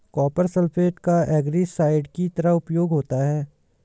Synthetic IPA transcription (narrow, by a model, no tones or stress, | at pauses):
kɔːpəɾsəlpʰeːʈkaʔɛːɡɾisaːɪɖkit̪ɐɾəɦʊpjoːɡɦoːt̪aɦɛː